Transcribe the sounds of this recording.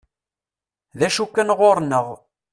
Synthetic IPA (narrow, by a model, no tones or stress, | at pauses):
ðæʃukːænʁoɾnəʁ